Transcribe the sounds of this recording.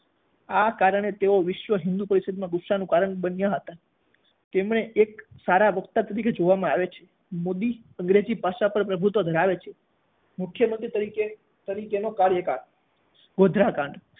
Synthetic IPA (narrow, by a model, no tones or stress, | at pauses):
akaɾəɳ̃et̪eoʋɪʃʋəɦɪnd̪upəɾisəd̪imãɡʊʃanũkaɾəɳɓənjaɦət̪a | t̪emɳeʔeksaɾaʋəkt̪at̪əɾiked͡ʒoʋamãaʋet͡ʃʰe | mod̪i | ə̃ŋɡɾed͡ʒipaʃapəɾpɾəbʱut̪ʋod̪ʱəɾaʋet͡ʃʰe̥ | mʊkʰjəmənt̪ɾit̪əɾike | t̪əɾikenokaɾjəkaɾ | ɡod̪ʱɾakãɳɖ